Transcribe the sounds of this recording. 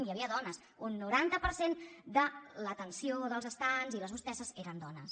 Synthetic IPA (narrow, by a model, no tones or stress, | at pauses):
njəβiəðɔnəs | unːuɾant̪əpəɾsend̪ələt̪ənsioðəlˠzəst̪anziləust̪ɛsəzeɾənd̪ɔnəs